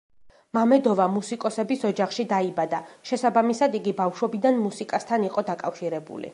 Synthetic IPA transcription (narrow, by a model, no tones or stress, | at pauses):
mamɛd̪ɔvamusikʼɔsɛbisɔd͡ʒaχʃid̪aibad̪aʃɛsabamisad̪iɡibafʃwɔbid̪anmusikʼast̪ʰaniqʼɔd̪akʼafʃiɾɛbṵlḭ